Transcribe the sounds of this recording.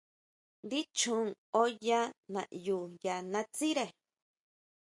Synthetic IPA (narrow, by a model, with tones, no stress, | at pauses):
nd̪i˦t͡ʃũ˦ŋo˦ja˦nã̰˨ʔju˨ja˨nã˧t͡si˦ɾe˧˨